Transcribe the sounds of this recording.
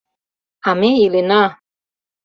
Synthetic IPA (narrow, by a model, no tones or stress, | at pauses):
amejilena